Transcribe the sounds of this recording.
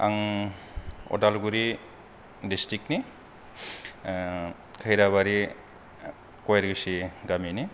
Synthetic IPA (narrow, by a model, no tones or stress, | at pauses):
a̰ŋ | o̰dalɡuɾi | distɾik̚ni | kʰajɾaβaɾi | kojɾɡɯsiɡamini